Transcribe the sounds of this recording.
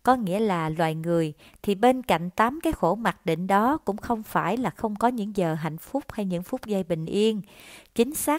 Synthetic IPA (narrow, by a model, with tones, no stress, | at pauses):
kɔ˨˦ŋḭ˧˥əlaː˨˩lwaː˨˩jŋɨ˨˩əj | t̪ʰi˨˩ɓe˧nka̰˧˨jŋ̟t̪aː˨˦mkaː˨˦jxo˧˩ma˨˩k̚ɗḭ̈˧˨ŋ̟ɗɔ˨˦kʊ̰˧˥ŋ͡mxə˧wŋ͡mfaː˧˩jlaː˨˩xə˧wŋ͡mkɔ˨˦ɲɨ̰˧˥ŋzəː˨˩ɦa̰˧˨jŋ̟fʊ˦˥k͡p̚ha˧jɲɨ̰˧˥ŋfʊ˦˥k͡p̚zə˧jɓï˨˩ŋ̟ʔi˧ənt͡ɕï˨˦ŋ̟saː˦˥